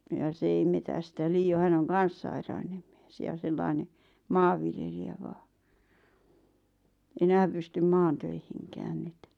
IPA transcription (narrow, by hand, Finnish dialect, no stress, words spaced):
jɑ se ei metæstæ liːo hæn oŋ kɑn̞s sɑirɑinem m̥i̥e̥s jɑˑ selːɑˑĭne mɑːʋːiljelijæ ʋɑː enæːm pystym mɑːn̞tøihiŋkæːn n̆y̆t̆